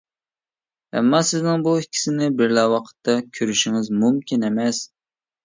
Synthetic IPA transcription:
ɛ̰mːɑsɪznɪŋbuɪkʲʰːi̥sɪnɪbɪɾlɛwɑqʰə̥t̪ʰːɑkʲʰøɾyʃɪŋɪzmumkʲʰinemɛs

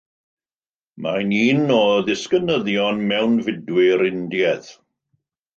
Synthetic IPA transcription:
majniːnɔðɪskənəðjɔnmɛwnvɪdwɪɾɪndjɛð

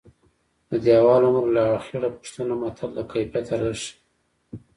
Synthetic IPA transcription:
d̪əd̪jɑwɑlʊmɾlaːxɪɾapu̥ʂt̪ənamat̪ʰallakajpat̪ʰaɾaʃi̥

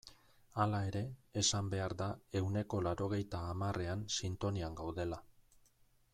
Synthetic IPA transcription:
alae̞ɾe̞ːsambe̞aɾðae̞wne̞ko̞laɾo̞ɣ̞e̞jt̪aːmarʔe̞ansint̪o̞niaŋɡawðe̞la

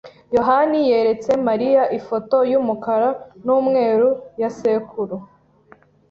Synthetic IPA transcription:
jo̞ɦanije̞ɾe̞t͡se̞maɾijaʔifo̞to̞jumukaɾanuːmŋe̞ːɾujasekʰuɾu

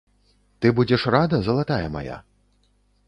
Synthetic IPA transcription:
t̪ɨbud͡zʲɛʂrad̪ɐzɐlˠat̪ajɛma̰ja̰

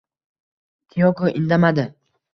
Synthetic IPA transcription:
t̪ʰijɒkoʔɪnd̪amad̪ɪ

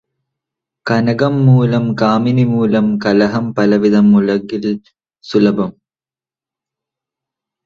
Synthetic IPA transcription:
kɐnɐɡɐmːuːlɐmkaːminimuːlɐmkɐlɐɦɐmpɐlɐʋiðɐmːulɐɡil | sulɐbɐm

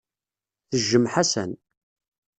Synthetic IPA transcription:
θəʒːəmħasæ̰n

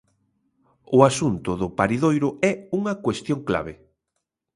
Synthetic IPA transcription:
ʊasunt̪ʊðʊpaɾiðojɾʊɛuŋɐkwest̪joŋkla̰βe

